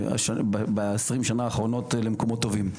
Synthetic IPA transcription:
a̰ʃabbeesʁimʃanaːχʁo̞no̞tlemko̞mot̪ːo̞vim

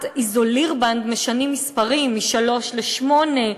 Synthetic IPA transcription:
t̪izoliʁband̪meʃanimispaʁimːiʃalo̞ʃleʃmo̞ne

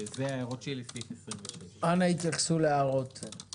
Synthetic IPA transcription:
zeʁot͡ʃilififesʁimveʃeanait̪jaχsuleaʁot̪

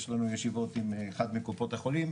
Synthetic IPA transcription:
ʃlanujeʃivo̞t̪imeχad̪mekupo̞t̪aχolim

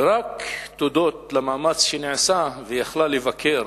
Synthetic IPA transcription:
ɾakt̪od̪ot̪lamaːmat͡sʃeniʕsavejaχlalːevakʰeɾ

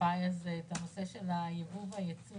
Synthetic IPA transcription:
ajazeːt̪ano̞se̞ʃelajevuvajat͡si

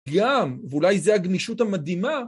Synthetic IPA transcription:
ɡamveulajzeaɡniʃutamad̪ima

